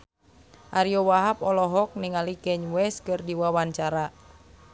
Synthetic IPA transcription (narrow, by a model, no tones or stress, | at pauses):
ʔaɾiɔwaɦapɔlɔɦɔk̚niŋalikɛɲwɛskɨrdiwawaɲt͡ʃaɾa